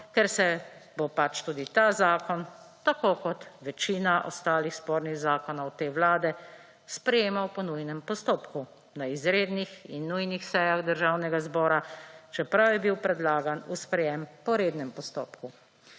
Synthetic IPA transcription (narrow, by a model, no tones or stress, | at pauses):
kɛɾsɛbopat͡ʃt̪uːd̪it̪aːzaːkɔnt̪akoːkɔt̪ʋɛt͡ʃiːnaʔɔ̰st̪aːlixspoːɾniɣzaːkɔnɔwt̪eːʋlaːd̪ɛ | spɾɛjeːmawpɔnujnɛmpɔst̪oːpku | naizɾeːd̪nixinːujnixsɛjaɣd̪əɾʒawnɛɡazbɔːɾat͡ʃɛpɾawjɛbiwpɾɛd̪laːɡanuspɾɛjɛmpɔɾeːd̪nɛmpɔst̪o̰ːpku